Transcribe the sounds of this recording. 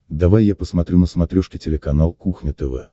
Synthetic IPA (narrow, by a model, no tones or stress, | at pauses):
d̪ɐvajjapəsmɐt̪ɾʲunəsmɐt̪ɾʲuʂkʲɪtʲɪlʲɪkɐnalˠkuxnʲɪt̪ɛvɛ̰